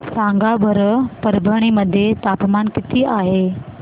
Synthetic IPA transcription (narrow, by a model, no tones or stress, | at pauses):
sãŋɡʱabʱəɾpəɾbʱəɽ̃iməd̪ʱːjet̪apmankɪt̪iːʔaɦe